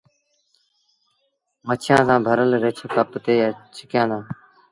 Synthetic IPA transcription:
mət͡ʃʰjãːsãːbʱəɾəlɾeːt͡ʃʰəkaːpt̪eːjaːt͡ʃʰɪkjãːd̪ãː

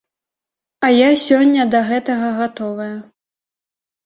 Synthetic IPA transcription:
ɐjasʲɔnʲːɐd̪ɐɣɛt̪ɐɣɐɣat̪ɔvɐjɐ

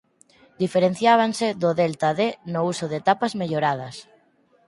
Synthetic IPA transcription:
d̪ifeɾen̟θjaβ̞anseðʊðelt̪aðenʊusʊðet̪apɐzmeʎoɾað̞ɐs

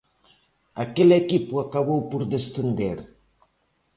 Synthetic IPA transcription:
a̰kelekipuakaβowpuɾd̪est̪end̪eɾ

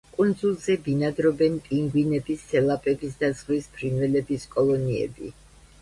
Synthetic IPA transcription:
kʼund̪zulˠzɛbinad̪ɾɔbɛnpʼiŋɡwinɛbisːɛlˠapʼɛbisd̪azʁwispʰɾinvɛlɛbiskʼɔlˠɔniɛ̰bḭ

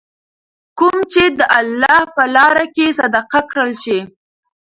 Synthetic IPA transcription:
kumt͡ʃed̪əʔalːɑhpəlɑɾakesad̪aqakɽəlʃi

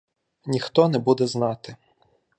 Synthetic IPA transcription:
nʲixt̪ɔnɛbud̪ɛznɑt̪ɪ

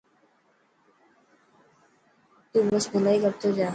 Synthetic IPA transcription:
t̪uːbəsbʱʊlaːiːkəb̚t̪oːd͡ʒaː

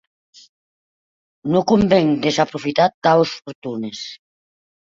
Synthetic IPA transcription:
nokombeŋd̪esapɾofit̪at̪aosfoɾt̪unes

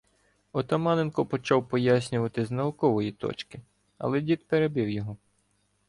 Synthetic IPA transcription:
ɔt̪ɐmɑnenkɔpɔt͡ʃɑwpɔjas̬ʲnʲʊʋɐt̪ɪznɐʊkɔʋɔjit̪ɔ̰t͡ʃkɪ | ɐ̰lˠɛdʲid̪peɾebiwjɔɦɔ

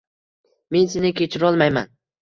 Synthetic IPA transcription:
me̞nsenɪkʲʰet͡ʃʰɪɾɒlˠmajma̰n

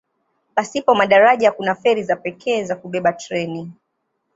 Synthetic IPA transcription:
pasipɔmaɗaɾaʄakunafɛɾizapɛkʰɛːzakuɓɛɓatɾɛni

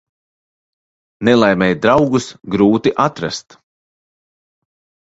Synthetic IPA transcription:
nɛlˠajmʲɛjd̪ɾawɡusɡɾuːt̪iʔat̪ɾa̰st̪

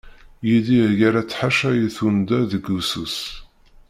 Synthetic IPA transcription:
jidiʝaɾat͡sːħaʃæjiθund̪æðəɡusus

